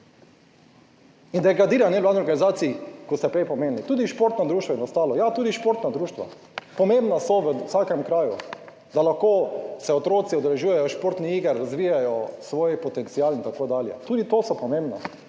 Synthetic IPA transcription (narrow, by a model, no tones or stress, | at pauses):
ind̪ɛɡɾad̪iːɾanɛʋlaːd̪niɔɾɡanizaːt̪siːkɔst̪ɛpɾejpɔmeːnlit̪uːd̪iʃpoɾt̪nad̪ɾuːʃt̪ʋaɛnɔst̪aːlɔjat̪uːd̪iʃpoɾt̪nad̪ɾuːʃt̪ʋa̰ | pɔmẽmbnasɔʋəsaːkɛmkɾaːjṵ | d̪alaxkoːsɛɔt̪ɾoːt̪siɔd̪ɛlɛʒuːjɛjɔʃpoɾt̪niiːɡəɾːazʋiːjajɔsʋoːjpɔt̪ɛnt̪siaːlint̪akoːd̪aːljɛ̰t̪uːd̪it̪oːsɔpɔmẽmbnɔ̰